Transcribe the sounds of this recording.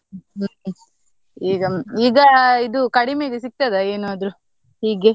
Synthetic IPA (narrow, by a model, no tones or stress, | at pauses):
iːɡɐiːɡɐid̪ukɐɽimeːɡes̬ik̚t̪ɐd̪eeːnuɐd̪ɾu | hiːɡe